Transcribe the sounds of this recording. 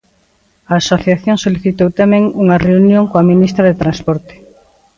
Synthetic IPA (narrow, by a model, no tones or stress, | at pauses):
aːsoθjaθjõŋsoliθit̪owt̪amẽŋuŋɐreunjõŋkoaminist̪ɾɐðet̪ɾãnspɔɾt̪e̥